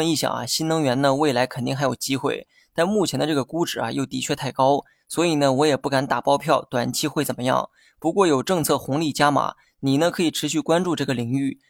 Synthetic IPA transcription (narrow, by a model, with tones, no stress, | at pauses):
ə˧ni˥˩ɕjɑ̰˨˩ŋɐ̰˦ɕi˥nnɤ˧˥ŋɥɛ˧˥nnd̪ə˧we˥˩ɪla˧˥ɪkʰə˨˩nt̪i˥˩ŋxa˧˥jo˨˩ʊt͡ɕi˥xwe˥˩ɪ | t̪a˥˧nmu˥˩t͡ɕʰjɛ˧˥nd̪ə˧ʈ͡ʂɤ˥˩ɡə˩ku˥ʈ͡ʂɻ̩˨˩ɐ̰˧jo˥˩ʊt̪i˧˥t͡ɕʰɥɛ˥˧t̪ʰa˥˩ɪkɑ˥ʊ | swɔ˧˥i˨˩nə˦wɔ˧˥jɛ˨˩pu˥˩ka˧˩nt̪a˨˩pɑ˥ʊpʰjɑ˥˩ʊt̪wa˨˩nt͡ɕʰi˥xwe˥˩ɪt͡sə˨˩nmə˦jɑ̰˥˩ŋ | pu˧˥kwɔ˥˩jo˨˩ʊʈ͡ʂɤ˥˧ŋt͡sʰɤ˥˩xʊ˧˥ŋli˥˩t͡ɕja˥ma̰˨˩˦ | ni˨˩nə˦kʰɤ˧˥i˨˩ʈ͡ʂʰɻ̩˧˥ɕy˥˩kwa˥nʈ͡ʂu˥˧ʈ͡ʂɤ˥˩ɡə˩li˨˩ŋy˥˩